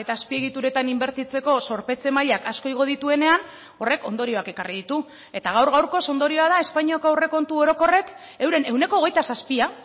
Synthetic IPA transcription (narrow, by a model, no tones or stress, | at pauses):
e̞t̪aːspie̞ɣ̞it̪uɾe̞t̪animbe̞ɾt̪it͡se̞ko̞so̞ɾpe̞t͡se̞maʎakasko̞iɣ̞o̞ð̞it̪ue̞ne̞an | o̞re̞ko̞̰nd̪o̞ɾio̞ake̞kariðit̪u | e̞t̪aɣ̞awɾɣawɾko̞so̞nd̪o̞ɾio̞að̞ae̞spaɲiakowre̞ko̞nt̪uo̞ɾo̞ko̞re̞k | e̞wɾe̞ne̞wne̞koːɣe̞jt̪asaspia